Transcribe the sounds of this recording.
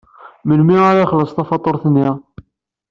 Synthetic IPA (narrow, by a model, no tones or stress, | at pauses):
məlmiaɾaχləsˤθɑfɑt̪ˤːoɾˤθənːiʁ